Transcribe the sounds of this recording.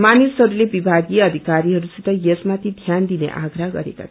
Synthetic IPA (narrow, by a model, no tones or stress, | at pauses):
manisɦʌɾulebibʱaɡieʌd̪ʱikaɾiɦʌɾusit̪ʌjesmat̪ʰid̪ʱjand̪inḛʔa̰ɡɾaɡʌ̰ɾḛka̰